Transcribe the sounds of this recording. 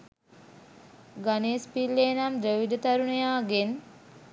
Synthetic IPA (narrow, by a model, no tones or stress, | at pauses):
ɡaneːspilːeːnamd̪ɾeʋid̪ət̪aɾunejaːɡen